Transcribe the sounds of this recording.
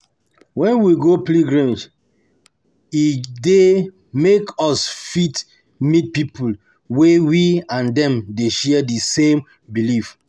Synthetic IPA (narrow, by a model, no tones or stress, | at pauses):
wɛ̃nwiɡopliɡɹĩd͡ʒ | ide | mekɔsfit | mit̚pipul | wewiãndɛ̃mdeʃɛdisẽm | bilif